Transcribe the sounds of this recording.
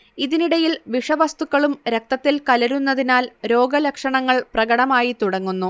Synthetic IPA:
iðiniɽɐjilʋiʂɐʋɐst̪ukːɐɭumɾek̚t̪ɐt̪ːilkɐlɐɾunːɐðinaːlɾo̞ːɡɐlɐkʂɐɳɐŋːɐɭprɐɡɐɽɐmaːjit̪uɽɐŋːunːu

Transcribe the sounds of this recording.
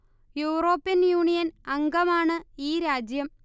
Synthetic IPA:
juːro̞ːpːijɐnjuːɳijɐnɐŋɡɐmaːɳɨiːɾaːd͡ʑjɐm

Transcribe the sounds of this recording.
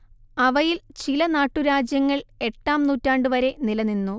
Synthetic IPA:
ɐʋɐjilt͡ɕilɐnaːʈːuɾaːd͡ʑjɐŋːɐɭe̞ʈːaːmnuːtːaːɳɖɨʋɐɾe̞nilɐninːu

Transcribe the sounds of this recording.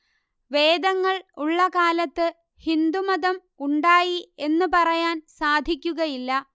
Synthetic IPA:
ʋe̞ːd̪ɐŋːɐɭuɭːɐkaːlɐt̪ːɨ | hind̪umɐðɐm | uɳɖaːjie̞nːɨpɐrɐjaːnsaːd̪ʱikʲːuɣɐjilːɐ

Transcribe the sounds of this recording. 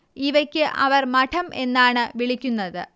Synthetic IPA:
iʋɐkʲːɨʔɐʋɐrmɐʈʰɐmʔe̞nːaːɳɨʋiɭikʲːunːɐðɨ

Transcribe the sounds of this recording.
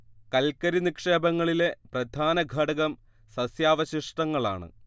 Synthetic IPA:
kɐlkɐɾinikʂe̞ːbɐŋːɐɭile̞prɐd̪ʱaːnɐɡʱɐɽɐɣɐm | sɐsjaːʋɐɕiʂʈɐŋːɐɭa̰ːɳɨ̰

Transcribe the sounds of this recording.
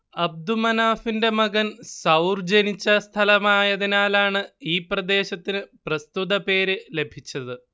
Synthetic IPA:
ɐb̚d̪umɐnaːfinde̞mɐɡɐnsɐwrd͡ʑenit͡ɕːɐst̪ʰɐlɐmaːjɐðinaːlaːɳɨiːprɐd̪e̞ːɕɐt̪ːinɨprɐst̪uðɐpe̞ːɾɨle̞bʱit͡ɕːɐðɨ

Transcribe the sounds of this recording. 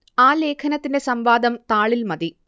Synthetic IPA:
aːle̞ːkʰɐnɐt̪ːinde̞sɐmʋaːd̪ɐmt̪aːɭilmɐd̪i

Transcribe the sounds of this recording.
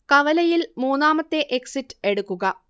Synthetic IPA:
kɐʋɐlɐjilmuːnːaːmɐt̪ːe̞ʔeksitːɨ̥e̞ɽukːuɣɐ

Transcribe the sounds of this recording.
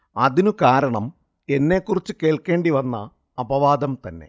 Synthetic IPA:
ɐðinukaːɾɐɳɐm | e̞nːe̞kːurit͡ɕːuke̞ːɭke̞ːɳɖiʋɐnːɐ̰ː | bɐʋaːd̪ɐmt̪ɐnːe̞̰

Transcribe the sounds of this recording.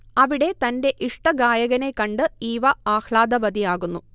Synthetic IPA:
ɐʋiɽe̞t̪ɐnde̞ʔiʂʈɐɡaːjɐɣɐne̞kːɐɳɖɨiːʋɐaːxɭaːd̪ɐbɐd̪ijaːɣunːu

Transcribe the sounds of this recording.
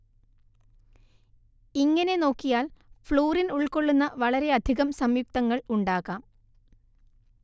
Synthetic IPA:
iŋːɐne̞no̞ːkːijaːlfɭoːrinuɭko̞ɭːunːɐʋɐɭɐɾe̞ɐd̪ʱiɣɐmsɐmjuk̚t̪ɐŋːɐɭuɳɖaːɣaːm

